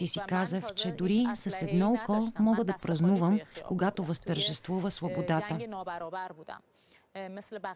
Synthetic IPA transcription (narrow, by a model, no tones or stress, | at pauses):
isikazəxt͡ʃɛd̪ʊɾisɐsɛd̪nɔukɔlˠmɔɡəd̪ɐpɾɐznuvəmkoɡat̪ovəst̪əɾʒɛst̪vuvəsvobod̪at̪ə